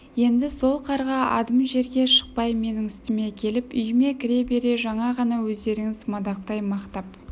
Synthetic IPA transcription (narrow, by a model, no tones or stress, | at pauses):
je̞nd̪ɪso̞lˠqʰɑɾʁɑɑ̰d̪əmʒe̞ɾɡʲe̞ʃə̥q̚pɑjme̞nɪŋʏst̪ɪme̞kʲʰe̞lɪpʏjɪme̞kʲʰɪɾe̞be̞ɾe̞ʒɑɴɑʁɑnɑwɵzd̪e̞ɾɪŋɪzmɑd̪ɑqt̪ɑjmɑqt̪ɑp̚